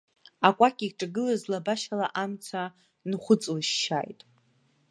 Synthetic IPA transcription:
akʷʼakʲʼiʈ͡ʂʼaɡɨlazlabaʃalaʔamt͡sʰa | nχʷʊt͡sʼwaʃʃa̰jtʼ

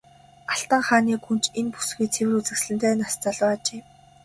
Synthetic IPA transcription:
aɬt̪ə̆ɴχaːniːkunt͡ɕenpu̥sɡujt͡sʰewɘ̆rut͡sɘ̆ksɮɘ̆nt̪ʰeːnast͡saɮwaːt͡ɕeː

